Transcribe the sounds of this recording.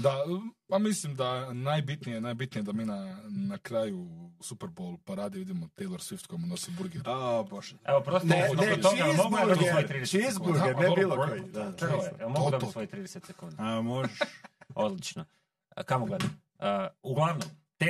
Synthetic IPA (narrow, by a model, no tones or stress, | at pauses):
d̪apamislimd̪anajbit̪nijenajbit̪nijed̪amiːnanakɾaːjusupeɾbolˠpaɾaːd̪iʋid̪imot̪ejlˠoɾsʋift̪kʰojmunosibuɾɡeɾpɾoʃeopɾosnoooimoɡud̪oisʋojit̪ɾiːd̪et͡ʃizbuɾɡeɾnɛobiːlˠod̪aakoemoɡd̪oisʋojt̪ɾiːd̪eset̪sekund̪amoʒʃod̪lit͡ʃno | kamoɡled̪a | əuɡlˠaʋnomt̪e